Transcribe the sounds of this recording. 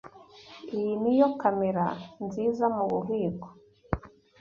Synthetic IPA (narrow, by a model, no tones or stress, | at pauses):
ijinijokameɾa̰nzizamuβuɦiːko̥